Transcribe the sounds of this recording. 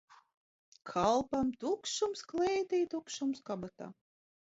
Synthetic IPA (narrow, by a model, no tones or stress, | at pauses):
kʰalˠpamt̪ukʃumsklɛjt̪ijt̪ukʃumskabat̪a̰ː